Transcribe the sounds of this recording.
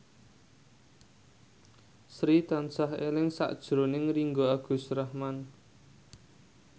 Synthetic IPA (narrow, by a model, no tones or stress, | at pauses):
sɾit̪ansaɦelɪŋsa̰ʔd̥ʒ̥ɾonɪŋriŋɡoaɡ̥ṳsɾahman